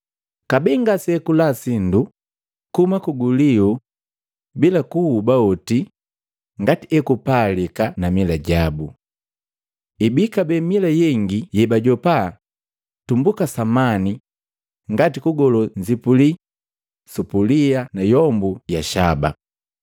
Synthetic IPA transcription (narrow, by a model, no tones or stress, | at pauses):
kabɛŋɡasɛkulasindu | kumakuɡuliu | bilakuhubaɔti | ŋɡatiɛkupalikanamilaɟabu | ibikabɛmilajɛŋɡijɛbaɟɔpa | tumbukasamani | ŋɡatikuɡɔlɔɲd͡ʒipuli | supulianajɔmbujaʃaba̰